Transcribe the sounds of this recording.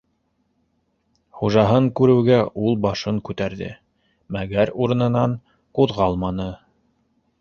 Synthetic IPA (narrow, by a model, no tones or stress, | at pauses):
χuʒɑɦɤŋkʉɾɘ̆wɡæʔulˠbɑʃɤŋkʉt̪æɾðɘ̰ | mæɡæɾuɾɤ̆nɤ̆nɑɴ | quðʁɑlˠmɑnɤ